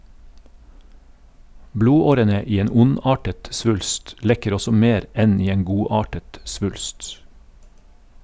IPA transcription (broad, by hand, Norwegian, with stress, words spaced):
ˈbluːˌoːɾənə ˈiː ˈeːn ˈʊˌnɑːʈət ˈsʋʉlst ˈlɛkəɾ ˈɔsɔ ˈmeːɾ ˈɛn ˈiː ˈeːn ˈɡuːˌɑːʈət ˈsʋʉlst